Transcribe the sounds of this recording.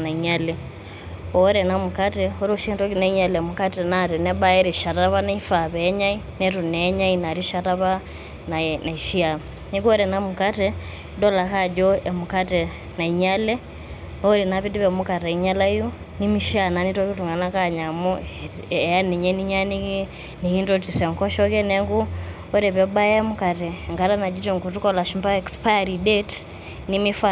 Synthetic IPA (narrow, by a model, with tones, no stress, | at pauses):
na˨i˨ɲalɛ | ɔ˦ɾɛna˦mu˨ka˦tɛo˦ɾoʃintɔ˦ki˦na˨i˦ɲa˨lɛ˨muka˦tɛ˨natɛ˨nɛ˦ba˦ɛ˦ɾi˨ʃa˨taβa˦na˦ifa˨βɛː˦ɲa˦i | nɛtu˨nɛːɲa˦ina˨ɾi˦ʃataβa˦ | na˨na˨i˨ʃi˦am | ni˦kɔ˦ɾɛnamu˨katɛ | dɔ˦la˨kad͡ʒɔɛ˨mukatɛ | na˨i˨ɲalɛ | ɔɾɛnapi˦di˦pɛ˨muka˨tɛ˨i˨ɲa˦la˦i˦jɔ˦ | ni˦mi˦ʃi˦a˨na˨nitɔ˦ki˦tu˨ŋɡa˨na˦kaɲa˨mɔ | ɛ˨ja˦ni˨ɲɛ˦ni˦ɲa˦ni˦ki˦ | ni˨ki˦ntɔti˨sɛ˨ŋkɔ˦ʃɔ˦kɛ˦nɛŋɡu˦ | ɔ˦ɾɛpɛɓa˦jɛmu˦ka˨tɛŋɡa˦ta˦na˨d͡ʒi˦tɔŋku˨tu˦kɔla˨ʃimba˦ɛkspa˦jaɾidɛt | nimi˦fa